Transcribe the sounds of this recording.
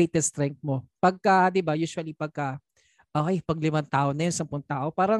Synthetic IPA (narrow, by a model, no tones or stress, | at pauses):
ejt̪ɛst̪ɾɛŋk̚t̪̚mo̞pɐɡ̚kɐd̪ɪbajuːʃʊɐlipɐɡ̚kɐ | ʔoːʔejpɐɡ̚lɪmant̪aːʔonɐjonsɐmpʊnt̪aːʔo̞paːɾɐ